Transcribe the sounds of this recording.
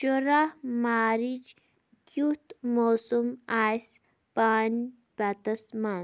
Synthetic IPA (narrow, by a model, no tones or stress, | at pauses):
ʃuɾamaːɾit͡ʃ | kut̪moːsumaːjs | paːn | bat̪ɐsma